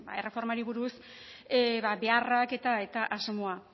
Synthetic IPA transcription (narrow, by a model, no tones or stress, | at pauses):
ba̰ere̞fo̞ɾmaɾiβuɾus | eβabe̞arake̞t̪ae̞t̪aʔazmoa